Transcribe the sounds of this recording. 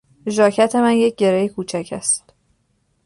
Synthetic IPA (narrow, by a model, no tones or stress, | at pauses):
ʒɒːcʰæt̪ʰe̞mænje̞c̚ɟe̞ɾejekʰuːt͡ʃʰæcʰæst̪